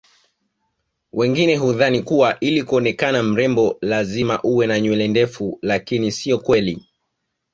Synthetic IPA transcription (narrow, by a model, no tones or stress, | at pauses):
wʔɛŋɡinɛɦuðanikuwaʔilikuɔnɛkanam̩ɾɛmbɔlazimaʔuwɛnaɲwɛlɛndɛfulakinisiɔkwɛli